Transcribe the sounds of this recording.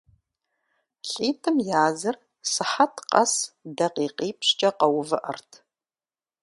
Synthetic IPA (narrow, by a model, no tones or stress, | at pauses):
ɬʼiːtʰɨmjaːzɨr | sɨħatʰqɐ̰sdɐqiːqiːpʰɕt͡ʃʼɐqɐwvɨʔɐ̰rtʰ